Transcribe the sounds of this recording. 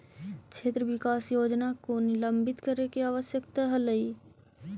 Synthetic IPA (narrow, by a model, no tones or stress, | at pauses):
t͡ʃʰeːt̪ɾəʋɪkaːsjoːd͡ʒnakonɪləmbɪt̪kəɾekeaːʋəsjəkt̪aɦələi